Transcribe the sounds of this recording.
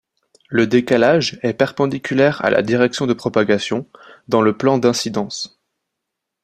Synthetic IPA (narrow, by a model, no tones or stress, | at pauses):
ləd̪ekalaʒɛpɛʁpɑ̃d̪ikʲylɛʁa̰lʔa̰d̪iʁɛksjɔ̃d̪əpχɔpaɡasjɔ̃d̪ɑ̃ləplɑ̃d̪ɛ̃sid̪ɑ̃s